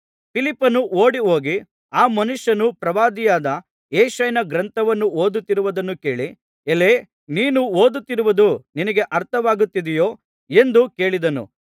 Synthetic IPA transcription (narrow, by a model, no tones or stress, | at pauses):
pʰilipːɐnuʔoːɽiɦo̞ːɡi | aːmɐnuʂːɐnupɾɐʋaːd̪ijaːd̪ɐ | eːʃɐjnɐɡɾɐnt̪ʰɐʋɐnːuoːd̪ut̪ːiɾuʋɐd̪ɐnːuke̞ːɭi | eleː | niːnuoːd̪ut̪ːiɾuʋɐd̪uninɐɡeʔɐɾt̪ʰɐʋaːɡut̪ːid̪ɛjo̞ː | e̞nd̪uke̞ːɭid̪ɐnṵ